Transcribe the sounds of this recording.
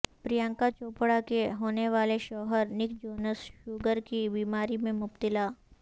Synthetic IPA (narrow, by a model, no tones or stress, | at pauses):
pɾijãŋkat͡ʃoːpɽakeɦoːneʋaːleʃɔːɦəɾnɪkʰd͡ʒoːnəsʃuːɡəɾkibiːmaːɾimẽmʊpt̪ɪlaː